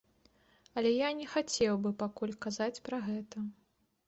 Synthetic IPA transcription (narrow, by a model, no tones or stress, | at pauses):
ɐlʲɛjanʲɛxat͡sʲɛwbɨpakulʲkazat͡sʲpɾɐɣɛt̪ɐ